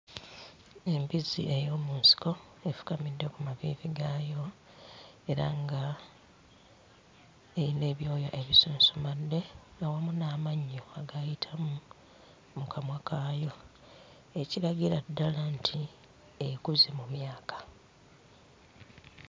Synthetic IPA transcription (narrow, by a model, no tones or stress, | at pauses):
e̞mbizḭʔe̞jo̞ːmuːnsi̥ko̞ | e̞fu̥kamidːe̞kumavḭːviɡaːjo̞ | e̞ɾa̰ŋɡa | eine̞ːβjo̞ːja̰ʔe̞βisuːnsomadːe̞awamunaːmaɲːo̞aɡajitʰamu | mukʰamwakaːjo̞ | e̞cilaɡiɾadːalantʰi | ekuzemumjaːkḁ